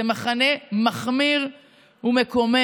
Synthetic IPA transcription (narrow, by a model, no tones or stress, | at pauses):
emaχanemaχmiʁ | umekome